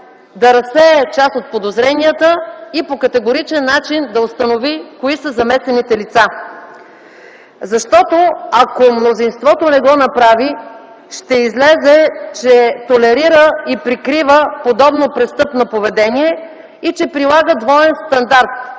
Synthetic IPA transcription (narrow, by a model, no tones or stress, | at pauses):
d̪ɐɾɐsɛɛt͡ʃasot̪̚pod̪ozɾɛnijət̪əipokɐt̪ɛɡoɾit͡ʃɛnːat͡ʃind̪ɐost̪ɐnovikoisəzɐmɛsɛnit̪ɛlit̪sa | zɐʃt̪ɔt̪oɐkomnozinst̪vɔt̪onɛɡɔnɐpɾavi | ʃt̪ɛizlɛzɛt͡ʃɛt̪olɛɾiɾəipɾikɾivəpod̪ɔbnopɾɛst̪ɤpnɐpovɛd̪ɛniɛ | it͡ʃɛpɾilˠaɡəd̪vɔɛnst̪ɐnd̪aɾt̪̚